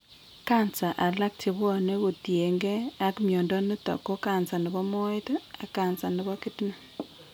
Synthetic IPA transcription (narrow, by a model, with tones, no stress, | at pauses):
ka˦nt͡sa˨ʔa˨la˦k̚te˨βɔ˦ne˦ɣo˨tje˨ŋɡe˦a˦kmjo˨ndɔ˦nɪ˦tɔ̰˨ko˦ka˨nsa˨nɪ˨βɔ˦mo˦e˦ta˨ka˨nt͡sa˨nɪ˨βɔ˦kɪ˦ti˦na˨